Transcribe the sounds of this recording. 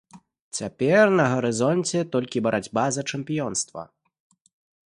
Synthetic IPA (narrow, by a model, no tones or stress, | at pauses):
t͡sʲapʲɛrnɐɣɐɾɨzɔnʲt͡sʲɛt̪ɔlʲkʲibɐɾʔad͡zʲbazɐt͡ʂɛmpʲijɔnst̪vɐ̰